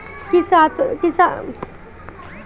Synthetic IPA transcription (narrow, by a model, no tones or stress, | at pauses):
kisat̪kisa